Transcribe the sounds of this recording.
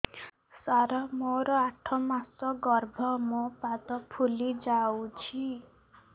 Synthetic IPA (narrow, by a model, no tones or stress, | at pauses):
saɾamoɾɔaʈʰɔmasɔɡɔɾbʱɔmopat̪ɔpʰulid͡ʒawt͡ʃʰi